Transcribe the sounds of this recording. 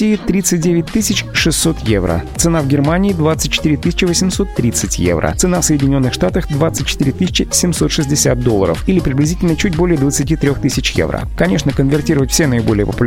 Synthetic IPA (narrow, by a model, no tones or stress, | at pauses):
iɪt̪ɾʲit̪sɨt̚ʲdʲevʲɪt̚ʲt̪ɨsʲɪt͡ɕʂɨsːo̞t̪jevɾə̰t̪sɨnavɡʲɪrmanʲɪːd̪vat̪sɨt̚ʲt͡ɕːɪ̥t̪iɾʲɪt̪ɨsʲɪ̥t͡ɕɪvəsʲɪmso̞t̪ːɾʲit̪sɨtʲjḛvɾə̰t̪sɨnafsəjɪdʲɪnʲo̞nːɨxʂt̪at̪əxd̪vat̪sɨt̚ʲt͡ɕːɪ̥t̪ɨɾʲɪt̪ɨsʲɪt͡ɕɪsʲɪmso̞t̪ʂɨzʲdʲɪsʲa̰t̪̚d̪olˠːə̰ɾə̰filʲɪpɾʲɪblʲɪzʲitʲɪlʲnət͡ɕutʲbo̞lʲɪjəd̪vət̪sɨtʲit̪ɾʲoxt̪ɨsʲɪt͡ɕjḛvɾə̰kɐnʲeʂnəkənvʲɪrtʲiɾəvətʲfsʲenəɪbo̞lʲɪjəpəpʊlʲ